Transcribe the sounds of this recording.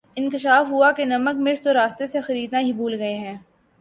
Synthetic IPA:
ɪ̃nkɪʃaːfɦuakenɐməkmɪʃt̪oɾaːst̪esexɐɾiːd̪naɦibʱuːlɡɐeɦɛ̃ː

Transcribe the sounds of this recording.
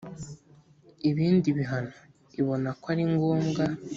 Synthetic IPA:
iβiːndiβiɦano | iβo̞nakwaɾiŋɡoːmɡa

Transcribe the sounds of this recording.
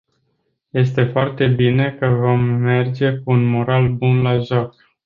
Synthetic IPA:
je̞s̬t̪e̞foart̪e̞bine̞kəvo̞mːe̞rd͡ʒe̞kuunmoɾalbunlaʒok̚

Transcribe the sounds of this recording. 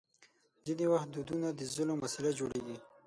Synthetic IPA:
d̪ənewaxt̪̚d̪ud̪unad̪əzəlomasalad͡ʒoɽeɡi

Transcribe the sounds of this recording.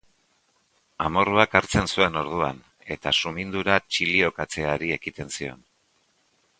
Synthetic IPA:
amo̞ruakaɾt͡se̞nsue̞no̞ɾð̞ua̰n | e̞t̪asumind̪uɾat͡ʃilio̞kat͡se̞aɾie̞kit̪e̞nsio̞̰n

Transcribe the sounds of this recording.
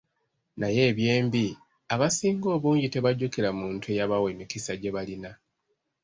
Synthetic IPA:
naje̞ːβje̞ːmbi | aβasiːŋɡo̞ːβuːɲɟite̞βaɟukiɾamuːntue̞jaβawe̞ːmikisaɟe̞βalina

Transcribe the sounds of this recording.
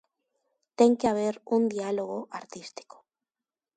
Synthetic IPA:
t̪e̞ŋkeaβ̞e̞ɾund̪ialoɣoʔaɾt̪ist̪i̥ko̥

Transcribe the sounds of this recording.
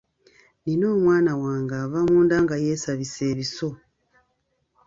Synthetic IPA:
nino̞ːmwaːnawaːŋɡaːvamuːndaːŋɡajeːsaβise̞ːβiso̞

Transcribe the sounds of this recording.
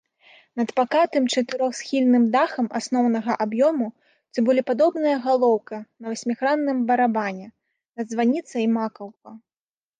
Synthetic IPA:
nɐd̪pakat̪ɨmt͡ʂɐt̪ɨɾɔxsxʲilʲnɨmd̪axɐmasnɔwnɐɣɐʔabjɔmu | t͡s̪ʲɨbɔlʲipad̪ɔbnɐjɐɣalˠɔwkɐnɐvɐsʲmʲixɾanːɨmbɐɾabanʲɛ | nɐd̪zvanʲit̪sɐimakɐwkɐ

